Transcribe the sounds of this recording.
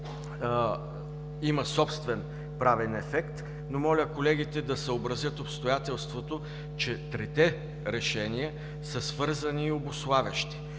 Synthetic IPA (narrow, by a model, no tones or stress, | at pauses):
imɐsɔpst̪vɛn | pɾavɛnɛfɛkt̪ | nomɔlʲəkolɛɡ̟it̪ɛd̪ɐsəobɾɐzjət̪opst̪ojat̪ɛlˠst̪vot̪o | t͡ʃɛt̪ɾɛt̪ɛ | ɾɛʃɛniə | səsvɤɾzɐniːobʊslˠavʲəʃt̪i̥